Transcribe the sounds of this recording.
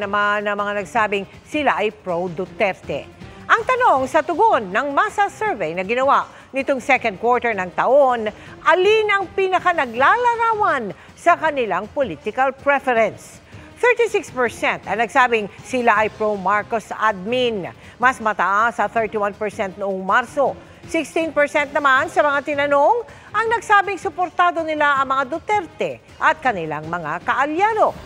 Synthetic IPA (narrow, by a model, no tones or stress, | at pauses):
nɐmanːɐmɐŋanɐɡsaːbɪŋ | sɪlaʔɐjpɹowd̪ʊt̪ɛft̪ɛ̰ʔɐŋt̪ɐnoŋsɐt̪ʊɡonːɐŋmasɐsɛɹvɛjnɐɡɪnɐwaʔ | nɪt̪oŋsɛkɐ̃nd̪̚kwɔɹt̪ɛɹnɐŋt̪ɐʔonʔɐlinɐŋpinɐkanɐɡlalɐɾaːwɐn | sɐkɐnɪlaŋpolit̪ɪkɐlpɹɛfɛɾɛns | θɛɹt̪isɪkspɛɹsɛnt̪ɐnɐɡsaːbɪŋsɪlaʔɐjpɹomaɹkosa̰d̪̚min | mɐsmɐt̪ɐʔasɐθɛɹt̪iwanpɛɹsɛnt̪̚noʔoŋmaɾso | sɪkst̪inpɛɹsɛnt̪̚nɐmansɐmɐŋat̪ɪnɐno̞ŋ | ʔɐŋnɐɡsaːbɪŋsʊpoɾt̪aːd̪o̞nɪlaʔɐŋmɐŋad̪ot̪ɛɾt̪ɛ | ʔɐt̪̚kɐnɪla̰ŋmɐŋakɐʔɐljaːno̞